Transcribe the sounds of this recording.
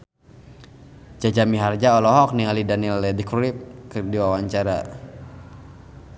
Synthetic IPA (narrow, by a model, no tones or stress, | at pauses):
d͡ʒad͡ʒamiɦard͡ʒaɔlɔɦɔk̚niŋalidanilːɛdikuɾip̚kərdiwawaɲt͡ʃaɾa